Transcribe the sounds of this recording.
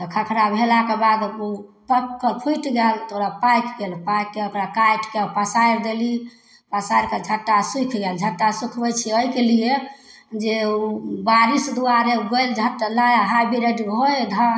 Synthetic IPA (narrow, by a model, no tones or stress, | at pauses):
t̪ɔkʰəkʰɾabʱelakebad̪upəkːəpʰuiʈɡɛlt̪oɾapajkɡelpajkːeokɾakaʈkepasajɾd̪eli | pasajɾked͡ʒʱəʈːasukʰɡeld͡ʒʱəʈːasukʰbɛt͡ʃʰiəjkelie | d͡ʒeubaɾisd̪uaɾeɡojld͡ʒʱəʈːlajaɦabʱiɾeɖɦojd̪ʱã